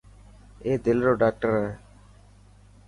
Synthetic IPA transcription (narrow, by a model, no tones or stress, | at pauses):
eːd̪ɪlɾoːɖaːk̚ʈəɾa